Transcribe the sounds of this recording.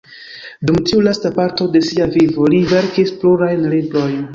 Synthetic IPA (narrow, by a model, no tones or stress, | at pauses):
dumtiulastapaɾto̞de̞siavivolive̞ɾkispluɾajnlibɾo̞jn